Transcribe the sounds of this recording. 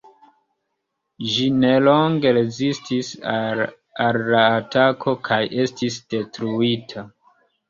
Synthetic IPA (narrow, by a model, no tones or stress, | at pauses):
d͡ʒinelo̞ŋɡe̞ɾezistis | allaːtakʰo̞kʰajʔe̞stisd̥e̞tɾuitʰa